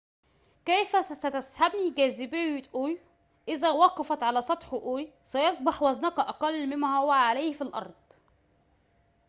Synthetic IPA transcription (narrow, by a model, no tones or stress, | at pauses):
kæjfæsæt̪æshabniɡæːzɪbeet̪ʔoːj | ʔɪzæwɑqɑfɑt̪ʕalæsˤɑt̪ˤħʔoːj | sæjɑsˤbɑħwɑznɑkʔɑqɑlːmɪnmæːhowæʕaleːhfilʔɑ̰ɾˤd̪̥ˤ